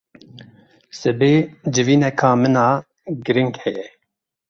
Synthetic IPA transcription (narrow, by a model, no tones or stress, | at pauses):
sɨbeːd͡ʒɨviːnɛkʰɑːmɨnɑː | ɡɨɾɪŋɡhɛjɛ